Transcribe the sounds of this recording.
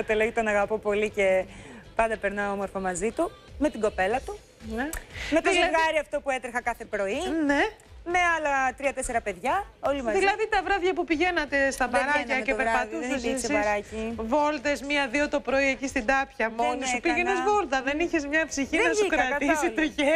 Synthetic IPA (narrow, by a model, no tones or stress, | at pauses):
ot̪eloɣit̪onɐɣɐpopo̞lice̞pɐnd̪ɐpeɾnɐoomoɾfomɐzit̪u | me̞t̪iɡo̞pe̞lɐt̪u | nemet̪oeɣɐɾiɐft̪o̞puet̪ɾixɐkɐθe̞pɾo̞inemeɐlɐt̪ɾiɐt̪eseɾɐpe̞ðʝɐolimɐðilɐðit̪ɐvɾɐvʝɐpupiʝe̞nɐt̪e̞st̪ɐbɐɾɐɐcepeɾpɐt̪uses̬sisɾɐcivo̞lt̪ezmiɐðiot̪o̞pɾo̞iecist̪id̪ɐpçɐmo̞nispiʝennezvo̞lt̪ɐðe̞niçezmɲɐpsiçinɐsukɾɐt̪isist̪ɾiçe